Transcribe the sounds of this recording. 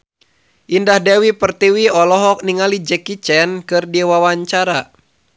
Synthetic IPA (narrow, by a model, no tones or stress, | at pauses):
ʔindahdɛwipərt̪iwiɔlɔɦɔk̚niŋalid͡ʒɛkit͡ʃɛnkɨrdiwawaɲt͡ʃaɾa